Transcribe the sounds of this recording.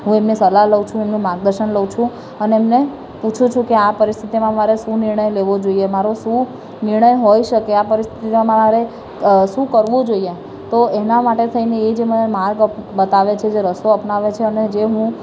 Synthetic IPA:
ɦũemnisəlaɦləʋt͡ʃʰũemnũmaɾɡ̚d̪əɾʃənləʋt͡ʃʰũ | əneːmne | put͡ʃʰũt͡ʃʰũkeapəɾist̪ʰit̪imãmaɾeʃũnɪɾɳəjleʋod͡ʒoiemaɾoʃũ | nɪɾɳəjɦojʃəkeapəɾist̪ʰit̪imãmaaɾe | ʃũkəɾʋõd͡ʒoie | t̪oenamaʈet̪ʰəineːd͡ʒemənemaɾɡəbət̪aʋet͡ʃʰed͡ʒeɾəsoəpnaʋet͡ʃʰeəned͡ʒeɦũ

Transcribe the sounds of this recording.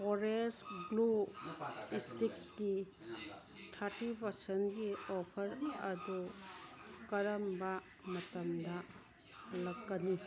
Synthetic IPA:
foɾesɡlu | istikːi | tʰaɾtipɐɾsentɡiopʰɐɾɐ̰du | kɐɾɐmbɐ | mɐtɐmdɐ | lɐkːɐni

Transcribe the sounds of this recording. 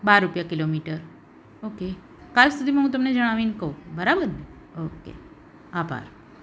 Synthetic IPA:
baɾːupjakilomiʈəɾ | oke | kalsud̪ʱimãɦũt̪əmned͡ʒəɽ̃aʋinkəobəɾabəɾne | okḛ | abʱa̰ɾ

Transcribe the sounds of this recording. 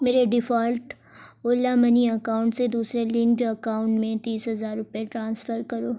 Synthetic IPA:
meːɾeɖɪfaːlʈ | olamɐniɐkaːʊ̃ɳʈsed̪uːsɾelɪ̃ŋɡɖɐkaːʊ̃ɳʈmẽt̪iːsɦɐzaːɾːʊpeʈɾãːnsfəɾkɐɾoː

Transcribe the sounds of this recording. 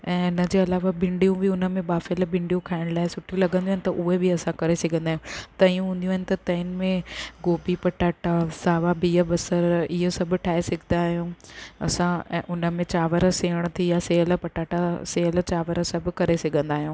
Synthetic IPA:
ɛ̃ːʊnə̆d͡ʑeːɐlaːʋabɪ̃ɳɖijũbɪʊnə̆mẽbaːfɪlbɪ̃ɳɖijũkʰaːɪɽ̃laːɪsʊʈʰijũlɐɡə̃nd̪jaːnɪt̪ɐʔʊɦebɪɐsãkɐɾesɐɡʱə̃nd̪aːɦijũt̪ɐijũɦũːnd̪ij̃ũaːɪnɪ̆t̪ɐt̪ɐ̃ːnɪ̆mẽɡoːbipɐʈaːʈasaːʋabiːəbɐsəɾɪɦəsɐbʱʊ̆ʈʰaːesɐɡʱɪnd̪aːɦijũːɐ̰sãːʔʊnə̆mẽt͡ɕaːʋəɾəseːəɽ̃t̪ʰijaseːəl̆pɐʈaːʈaseːɦəl̆t͡ɕaːʋəɾəsɐbʱʊ̆kɐɾesɐɡʱə̃nd̪aːɦijũː

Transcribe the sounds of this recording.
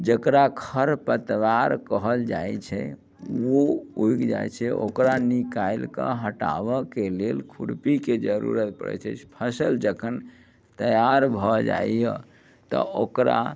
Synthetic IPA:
d͡ʒəkɾakʰəɾpət̪ʋaɾkəɦəld͡ʒajt͡ʃʰɛ | ouikd͡ʒa̰jt͡ʃʰɛʔo̰kɾanikailkə̰ɦəʈa̰bɔkelelkʰuɾpiked͡ʒəɾṵɾət̪̚pə̰ɽɛ̰t͡ʃʰɛ̰t͡ʃʰpʰəsəld͡ʒəkʰən | t̪əjaɾbʱɔd͡ʒa̰ijə | t̪ɔ̰okɾa̰

